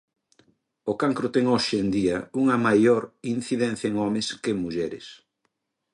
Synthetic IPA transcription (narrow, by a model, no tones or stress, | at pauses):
okaŋkɾot̪ɛŋoʃend̪iɐuŋɐmajoɾin̟θiðɛ̃nθjɐeŋɔmeskemuʎɛɾɪ̰s